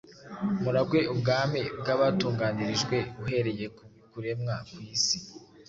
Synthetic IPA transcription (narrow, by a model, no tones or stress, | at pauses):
muɾabɡwe̞ʔubɡaːmeb̚ɡaβatuːŋɡaːniɾiʒɡwe̞uɦe̞ɾe̞je̞kuikuɾe̞mŋakwiːsi̥